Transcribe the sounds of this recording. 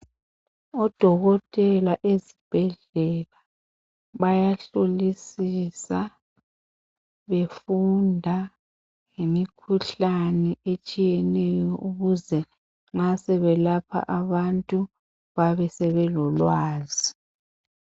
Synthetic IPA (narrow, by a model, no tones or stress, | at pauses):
ɔd̥ʱɔɣɔtʼɛlaʔezib̥ʱɛɮɛla | βajaɬolisisa | βefundʱa | ŋemikʰuɬanɛet͡ʃʼijɛnɛjɔʔuɣuzɛ | ŋ͡ǁasɛβɛlapʰa̰ʔaβantʼu | βaβɛsɛβɛlɔlwaːzi